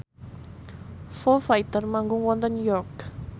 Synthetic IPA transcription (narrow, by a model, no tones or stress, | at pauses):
fofait̪ərmaŋɡʊŋwɔnt̪ɔnjɔrk